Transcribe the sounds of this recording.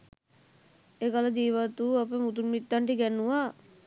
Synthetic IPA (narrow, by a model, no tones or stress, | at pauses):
ekalad͡ʒiːʋat̪ːuapəmut̪unmit̪ːaɳʈiɡɛnːuʋa